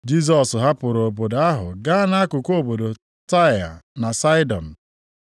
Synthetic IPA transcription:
d͡ʒi˦s̬ɔ˨sɦa˦pʊ˨ɾo˨bo˨da˦ɦʊ̰˨ɡa˦na˦kʊ˨ko˦bo˨do˨ | ta˦˨a̰˨na˨sa˦ɪ˦dɔ˨n̩˨

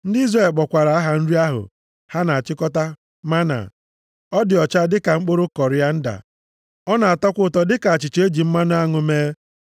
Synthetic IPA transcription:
n̩˦dɪ˦i˦zɾe˦˨lk͡pɔ˨kʷa˨ɾa˨a˦ɦa˨n̩˦ɾi˦a˦ɦʊ̰˨ | ha˦na˨a˨t͡ʃɪ˦kɔ˦ta˦ | ma˦na̰˨ | ɔ˦dɪ˨ɔ˨t͡ʃa˦dɪ˦ka˨ŋ͡m̩˦k͡po˦ɾʊ˦kɔ˨ɾɪ˦a˦n̩˦da̰˨ | ɔ˦na˨a˨tɔ˦kʷʊ˦˨tɔ˦dɪ˦ka˨a˨t͡ʃɪ˨t͡ʃe˦d͡ʒi˨m̩˦ma˦nʊ˦a˦ŋʊ˨meː˦

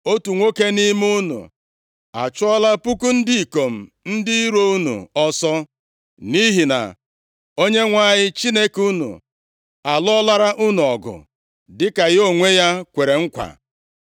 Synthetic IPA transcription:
o˦tu˨ŋʷo˦ke˦ni˦mu˦nṵ˨ | a̰˨t͡ʃʊ˦ɔ˦la˦pu˦ku˦n̩˦dɪ˦i˨ko˨m̩˨ | n̩˦dɪ˦i˦ɾo˦u˦nṵ˨ɔ˦sɔ˦ | ni˦ɦi˨na̰˨ | o˦ɲe˦ŋʷa˦˨ɲɪ˦t͡ʃi˦ne˦ku˦nṵ˨ | a˨lɔ˦la˦ɾa˦ʔu˦nu˨ɔ˨ɡʊ̰˨ | dɪ˦ka˨jo˦ŋʷe˦ja˦kʷe˨ɾe˨ŋ̩˦kʷa̰˨

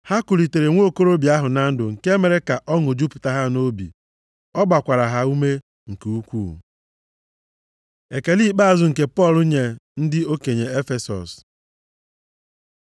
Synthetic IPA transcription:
ha˦ku˨li˨te˨ɾe˨ŋʷo˦ko˦ɾo˦bi˨˦a˦ɦʊ˨na˦n̩˦dʊ˨ŋ̩˨ke˦me˨ɾe˦ka˨ʔɔ˦ŋo˨d͡ʒu˦pʊ̥˨ta˦ɦa˦no˦bḭ˨ | ɔ˦ba˨kʷa˨ɾa˨ɦa˨u˦me˦ | ŋ̩˨ke˨u˦kʷṵ˦˨ | e˨ke˨li˦k͡pa˦a˨zʊ˨ŋ̩˨ke˨pɔ˦˨lʊ˦ɲe˨n̩˦dɪ˦o˦ke˨ɲe˨e˦fe˨sɔ̰˨s

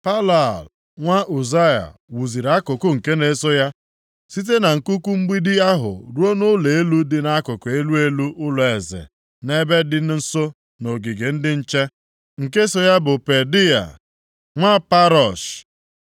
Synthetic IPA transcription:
pa˦la˨l | ŋʷa˦ʔu˨za˦ja̰˨wu˨zi˨ɾa˦kʊ˨kʊ˦ŋ̩˨ke˦ne˦so˦ja˦ | si˦t̬e˦na˨ŋ̩˨ku˦ku˦ŋ͡m̩˦ɡ͡bi˦dɪ˦a˦ɦʊ̰˨ɾu˦o˦nʊ˦le˨e˦lu˦dɪ˨na˦kʊ˨kʊ˨e˦lu˦e˦lu˦ʔʊ˦lʊ˨e˨zḛ˨ | ne˦be˦dɪ˦n˦n̩˦so˦ | no˨ɡi˨ɡe˨n̩˦dɪ˦n̩˦t͡ʃe˦ | ŋ̩˨ke˦so˦ja˦bʊ˨pe˨di˦a̰˨ | ŋʷa˦pa˦ɾɔ˨ʃ

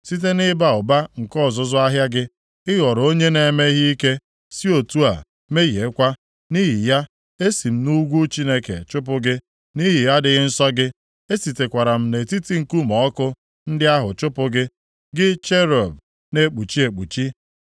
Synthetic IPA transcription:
si˦t̬e˦nɪ˦ba˦ʊ˨ba˦ŋ̩˨kɔ˦˨zʊ˨zʊ˦a˦ɦja˦ɡɪ˦ | ɪ˦ɣɔ˨ɾo˦ɲe˦ne˨me˦ɦi˦i˦ke˦ | si˦o˨tu˦a̰˨ | me˦ɣje˨˦kʷa˦ | ni˦ɦi˨ja˦ | e˦si˨m̩˦nu˦ɡʷu˦t͡ʃi˦ne˦kḛ˨t͡ʃʊ˦p̬ʊ˦ɡɪ˦ | ni˦ɦɪ˨ja˦dɪ˨ɣɪ˦n̩˦sɔ˦ɡɪ˦ | e˦si˨te˨kʷa˨ɾa˨m̩˦ne˨ti˦ti˦ŋ̩˨ku˦mɔ˦kʊ˦ | n̩˦dɪ˦a˦ɦʊ˨t͡ʃʊ˦pʊ˦ɡɪ˦ | ɡɪ˦t͡ʃe˦ɾɔ˨b | ne˦k͡pu˨t͡ʃi˦e˨k͡pu˨t͡ʃi˦

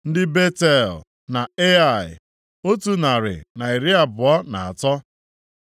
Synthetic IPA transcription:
n̩˦dɪ˦be˦te˦˨l | na˨e˦a˦˨ɪ̰˨ | o˦tu˦na˨ɾɪ̰˨na˨i˨ɾi˦a˨bʊ˨ɔ˦na˨a˨tɔ˦

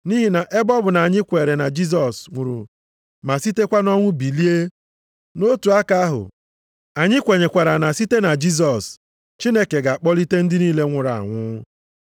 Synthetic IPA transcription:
ni˦ɦi˨na˨ʔe˦bɔ˦bʊ˨na˨a˨ɲɪ˦kʷe˨ɾe˨na˨d͡ʒi˦s̬ɔ˨sŋʷu˨ɾṵ˨ | ma˨si˦te˦kʷa˦nɔ˦ŋʷʊ˦bi˨li˦e˦ | no˦tu˨a˦ka˦a˦ɦʊ̰˨ | a˨ɲɪ˦kʷe˨ɲe˨kʷa˨ɾa˨na˨si˦te˦na˨d͡ʒi˦s̬ɔ˨s | t͡ʃi˦ne˦ke˨ɡa˨a˨k͡pɔ˦li˦te˦n̩˦dɪ˦niː˦le˦ŋʷʊ˨ɾa̰˨a̰˨ŋʷʊ˦

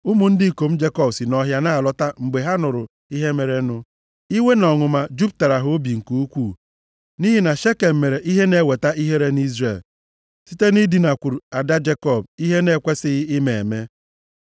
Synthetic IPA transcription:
ʊ˦mu˨n̩˦dɪ˦˨ko˨m̩˦d͡ʒe˦kɔ˦bsi˨nɔ˨ɦja˦˨na˦˨lɔ˦ta˦mŋ͡m̩˨ɡ͡be˨ɦa˦nʊ˨ɾʊ˨ | i˦ɦe˦me˨ɾe˨˦nʊ˦ | i˦we˦nɔ˨ŋʊ˨ma˨d͡ʒu˦b̚ta˨ɾa˨ɦʊ˦bi˨ŋ̩˨ku˦u˦kʷu˦˨ | ni˦ɦi˦na˨ʃe˦ke˨m̩˨me˨ɾe˨ʔi˦ɦe˦ne˦˨we˨ta˦ʔi˦ɦe˦ɾe˦n˦i˦zɾe˨l | si˦te˦ni˦di˨na˨kʷu˨ɾu˨a˨da˦d͡ʒe˦kɔ˦˨bi˦ɦe˦ne˦˨kʷe˦sɪ˦ɪ˦me˨e˨me˦

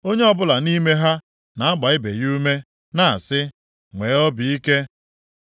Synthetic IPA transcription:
o˦ɲe˦ɔ˦bʊ˦la˨ni˦me˦ɦa˦ | na˨a˦ɡ͡ba˨ɪ˦bḛ˨ju˦me˦ | na˨a˨sɪ˦ | ŋʷe˨˦ɔ˦bi˨i˦ke˦

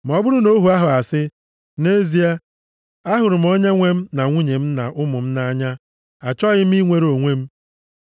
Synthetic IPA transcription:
m˨ɔ˦bʊ˦ɾʊ˦no˦ɦu˨a˦ɦʊ˨a˨sɪ˦ | ne˦zi˨a˦ | a˦ɦʊ˨ɾʊ˨m̩˨˦ɔ˦ɲa˦ŋʷe˦m̩˦na˨ŋʷi˦ɲe˨m̩˦na˨ʔʊ˦mʊ˨m̩˦na˦ɲa˦ | a˨t͡ʃɔ˦ɣɪ˦m̩˦i˦ŋʷe˦ɾo˨ŋʷe˦m̩˦

